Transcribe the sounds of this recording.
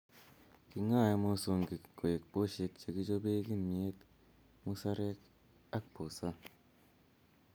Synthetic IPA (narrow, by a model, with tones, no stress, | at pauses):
ki˨ŋa˦˨ja˨mo˦so˨ŋɡi˨kːo˨je˨k̚po˦ʃe˧k̚t͡ʃe˨ɡi˦d͡ʒo˦be˦ɡi˦nmi˨e˦t̪ | mu˦sa˦ɾe˦k | a˦k̚po˨sa˦